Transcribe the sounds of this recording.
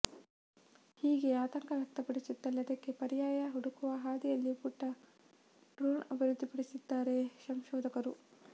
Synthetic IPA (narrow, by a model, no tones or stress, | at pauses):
hiːɡe̞aːt̪ɐŋkɐʋjɐk̚t̪ɐpɐɽisut̪ːɐlːɐd̪ɐkːepɐɾijaːjɐɦuɽukuʋɐɦaːd̪ijɐlːipuʈːɐ | ɖɾuːnɐ̰bʱiɾud̪ʱːipɐɽisid̪ːaːɾe̞sɐmʃɔːd̪ɐkɐɾu